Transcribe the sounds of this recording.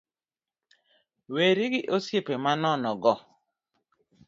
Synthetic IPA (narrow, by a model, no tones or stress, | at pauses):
weɾiɡɪʔosjepemanɔnɔɡɔ